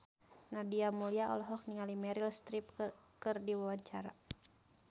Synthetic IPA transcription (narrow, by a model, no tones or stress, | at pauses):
nadiamuliaɔ̰lɔɦɔk̚niŋalimɛɾilst̪ɾip̚kɨrdiwawaɲt͡ʃaɾa̰